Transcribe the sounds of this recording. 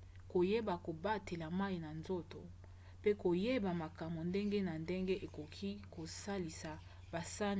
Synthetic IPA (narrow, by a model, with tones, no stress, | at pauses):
ko˨je˦ba˨ko˨ba˦te˨la˨ma˦i˨na˨nzo˦to̰˨ | pe˦ko˨je˦ba˨ma˨ka˨mbo˨nde˦ŋɡe˦na˨nde˦ŋɡe˦ʔe˨ko˨kʰi˦ko˨sa˦li˨sa˨ | ba˨sa˦n